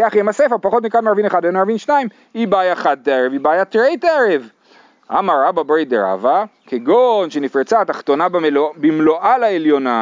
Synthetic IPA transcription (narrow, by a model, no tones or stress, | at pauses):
aχjemasefeʁpaχo̞t̪nikanmeaʁvineχad̪benaʁvinʃnaim | ibajaχad̪̚t̪aeʁevibaːjat̪ʁejt̪eʁev | ʔa̰maɾababʁejd̪eʁa̰vakeɡonʃenifʁet͡saat̪aχt̪o̞nabbimloʔalaeljo̞na